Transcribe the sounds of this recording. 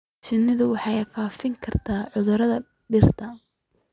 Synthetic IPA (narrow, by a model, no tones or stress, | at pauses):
ʃɪnːɪðʊwɑħɑjfaːfɪŋkʰɐrt̪ʰaːʕʊðʊɾɐðɐ | ɖɪrt̪ʰɐ